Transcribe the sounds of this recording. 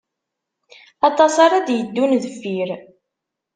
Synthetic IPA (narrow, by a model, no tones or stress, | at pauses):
ɑt̪ˤɑsɑɾˤɑd̪jəd̪ːunðəfːiɾ